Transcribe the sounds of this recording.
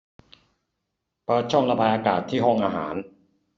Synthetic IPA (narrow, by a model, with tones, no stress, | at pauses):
pɤː˧˩t̪̚t͡ɕʰɔ˥˩ŋɾa˧baː˧jʔaː˧kaː˨˩t̪ʰːiː˥˩ɦɔ˥˩ŋʔaː˧ɦa̰ː˩˦n